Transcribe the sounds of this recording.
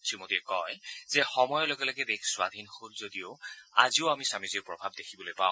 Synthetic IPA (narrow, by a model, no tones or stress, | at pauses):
tʰɹimotiɛkɔjz̥ɛxɔmɔjɔloɡɛlɔɡɛbekʰswad̪ʱinhuɹzodioa̰zioamisamiziɹpɹɔbʱab̚dexʰibɔlojpa̰ʊ̃